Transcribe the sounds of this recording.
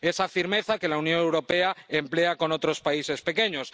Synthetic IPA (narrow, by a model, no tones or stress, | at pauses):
e̞safiɾme̞θake̞launjõ̞ŋe̞wɾo̞pe̞aemple̞ako̞no̞t̪ɾo̞spaisespe̞ke̞ɲo̞s